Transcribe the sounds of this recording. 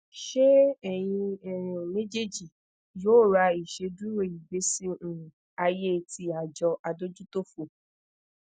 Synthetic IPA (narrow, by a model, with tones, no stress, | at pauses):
ʃe˦ɛ˦˨j̃ĩ˧ɛ̃˨me˦d͡ʒe˦˨d͡ʒi˨ | joː˨˦˨ɾa˧i˨ʃe˧du˦ɾo˦˨ji˨be˨˦sĩ˦˨ | a˧je˦˨tʰi˧a˨d͡ʒɔ˧ʔa˧do˦d͡ʒu˦to˦fo˨